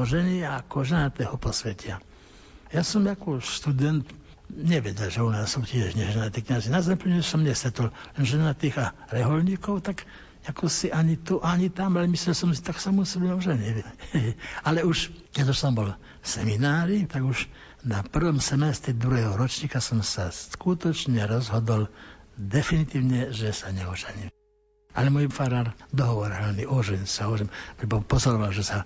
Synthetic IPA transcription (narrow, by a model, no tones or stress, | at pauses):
ɔʒɛniaakɔʒɛnat̪ɛːhɔpɔsʋɛcia | jaːsɔmakɔʃt̪ud̪ɛnt̪ | ɲɛʋɛɟɛlʒɛunaːsːucɪɛʒɲɛʒɛnat̪iːkɲazinazɛmpəɲɛsɔmɲɛst̪ɾɛt̪ullɛnʒɛnat̪iːɣaɾɛɦɔlɲiːkɔʊt̪ak | akʰɔsiʔaɲit̪uʔaɲit̪amalɛmislɛlsɔmsi̥t̪aksamusɛbɛɛɔʒɛɲɛʋɛ | alɛuʃkɛɟuʃsɔmbɔl | sɛminaːɾit̪aɡuʃ | napr̩ʋɔmsɛmɛst̪ɾid̪ɾuɦɛɦɔɾɔt͡ʃɲiːkasɔmsaskut̪ɔt͡ʃɲɛɾɔzɦɔd̪ɔld̪ɛfinit̪iːʊɲɛʒɛsaɲɛɔʒɛɲɛ | a̰lɛmɔjfaɾaːɾd̪ɔɦɔʋɔɾɦɛlniʔɔʒɛnsaɦɔɔɾɛmpɾɛbɔpɔzɔɾɔʋalʒɛsa